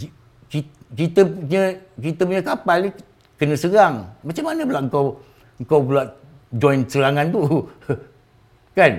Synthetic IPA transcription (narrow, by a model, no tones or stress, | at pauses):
kikit̪əpɲə̃kit̪əpuɲakapalni | kənə̃səɾaŋmat͡ʃamːanə̃bəlaʔŋ̩kaw | əŋ̩kawbulaʔ | d͡ʒɔjnsəɾaŋant̪u | kan